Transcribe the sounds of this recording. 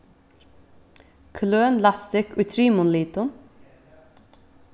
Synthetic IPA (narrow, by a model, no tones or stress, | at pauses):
kʰløːnlɑst̪ɪkʰʉːt̪ʰɾiːmʊnliːt̪ʊm